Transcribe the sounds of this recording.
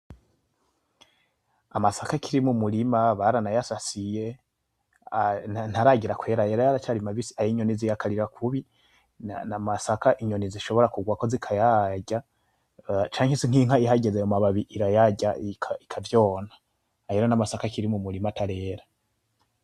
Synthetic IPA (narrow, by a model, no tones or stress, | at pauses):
amasakakʰiɾimumuɾimaβaɾanajasasije̞ | ananhaɾaɟiɾakwe̞ːɾajeɾojaɾat͡ʃaɾimaβisiaiɲo̞nizijakʰaɾiɾakʰuβi | namasakaʔiɲo̞niziʃo̞βo̞ɾakuɡwako̞zikʰajaɟa | t͡ʃaːŋhesiŋ̥hiŋ̥haiɦaɟezeomaβaβiʔiɾajaɟaikʰaikʰavjo̞ːna | jeɾonamasakakiɾimumuɾimatʰaɾe̞ːɾa